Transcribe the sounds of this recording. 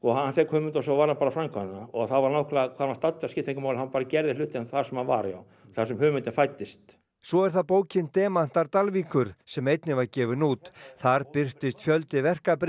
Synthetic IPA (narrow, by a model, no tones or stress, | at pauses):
ɔɦanθɛkhʏːmʏnt̪as̬ɔvaːɾhanpaːɾafɾaŋkʰɔnɪnaɔɣθaðvaɾnohkʰlakʰvaːnast̪at̪ːaskɪht̪ʰeŋkʏmawlɪnhanpaːɾacɛɾðɪlʏːht̪ɪnθasɛmhanva̰ɾja̰w | θasɛmhʏːmʏt̪ɪnfajt̪ːɪst̪ | sɔɛɾ̥θaðpoːwcɪnt̪ɛːman̥t̪aɾt̪alviːkʏɾ̥sɛmejt̪nɪvaɾcɛːvʏnuːt̪θaɾpɪr̥t̪ɪst̪fjœlt̪ɪvɛr̥kapɾ